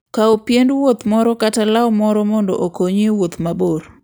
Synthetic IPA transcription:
kaopjendwot̪mɔɾɔkatalawmɔɾɔmɔndɔ̰ʔokoɲewot̪maboɾ

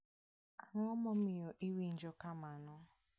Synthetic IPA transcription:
aŋɔmɔmijoʔiwin̩d͡ʒokamanʊ

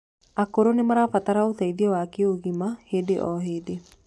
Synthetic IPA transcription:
akoɾonemaɾafat̪aɾaot̪ɛiðiɔwakeoɣimahed̪eʔɔɦeːd̪e

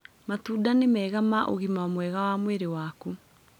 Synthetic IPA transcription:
matuːdanemɛːɣamaʔo̰ɣimamwɛɣawaːmweɾewaːku

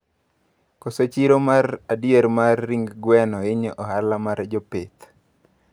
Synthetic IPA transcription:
koset͡ʃiɾomaradjeɾmarːiŋɡɡwɛnɔɪɲɔʔɔhalamard͡ʒɔpet̪

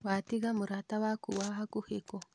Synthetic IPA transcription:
wat̪iɡamuɾat̪awakuwaɦakuheko

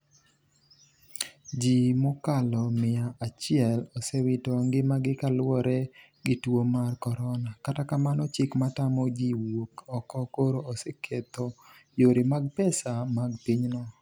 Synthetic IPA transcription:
d͡ʒimokalɔmɪjaat͡ʃɪɛlɔsɛwɪtɔŋɡɪmaɡɪkalwɔɾɛ | ɡɪtwomarkɔɾɔnakatakamanɔt͡ʃɪkmatamɔd͡ʒiwokɔkɔkoɾoosɛkʰet̪ɔjoɾɪmaɡ̚pɛsamaɡpiɲnɔ

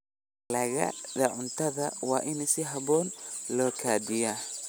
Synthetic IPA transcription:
lɐɣɐ̰ðɐʕʊnt̪ʰɐðɐwɑːʔɪnɪsɪɦɐβɔːnlɔːkʰaːdɪjaː

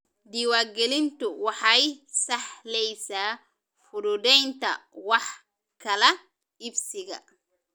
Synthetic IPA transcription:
d̪iːwaːɡɛlɪnt̪ʊwɑħɑjsɑħlɛjsaː | fʊdʊdɛjnt̪ʰɐ̰wɑħ | kʰɐlɛ | ɪbsɪɣɐ̰

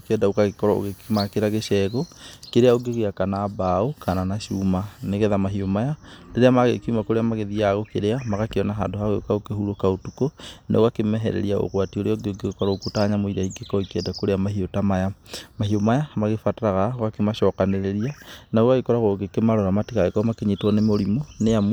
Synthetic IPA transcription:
okɛdaokaɣekɔɾao̰ɣekemakeɾaɣeʃɛɣokeɾeaoɡeoɣeakanaːbaokʰananaʃuːmaneɣɛðamaɦiomajadeɾeamaɣḛkumakoɾeamaɣeðiaɣokeɾeamaɣakeɔnaɦaːndohaɣeokaokehuɾokaotukonḛoɣakemɛɦɛ̰ɾɛ̰ɾiao̰ɣwatioɾeaoɡeoɡeɣokɔɾaokutaɲamoiɾaiɡekɔikɛdakoɾeamahiotamajamaɦiomajamaɣefataɾaɣaoɣakemaʃɔkaneɾeɾianaoɣaɣekɔɾaɣoɡekemaɾɔɾamatiɣaɣekɔmakeɲetwɔnemoɾimoneamw

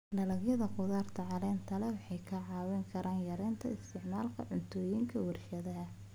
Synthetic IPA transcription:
lɐlɐɡjɐðɐqʊðaːrt̪ʰɐʕɑlɛːnt̪ʰɐlɛwɑħɑjkʰɐʕɑːwɛŋkʰɐɾʔaːnjɐɾɛːnt̪ʰɐ̰ɪst̪ʰɪʕmaːlkʰɐ̰ʕʊnt̪ʰɔːjiŋkʰɐwɐrʃɐðɐɦɐ

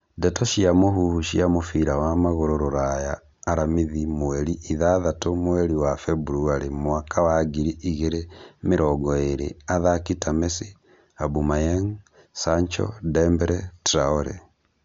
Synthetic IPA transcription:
dɛtɔʃiamoɦuuʃiamofiɾawamaɣoɾoɾoɾajaː | ɾamiðimoɛɾiʔiðaðatomwɛɾiwafɛbuɾuaɾimoakʰawaɡiɾiʔiɣeɾemeɾɔɡɔeɾḛaðakitamesi | abumajaŋ | saɲt͡ʃɔ̰dɛmbɛɾɛtɾaoɾɛ̰

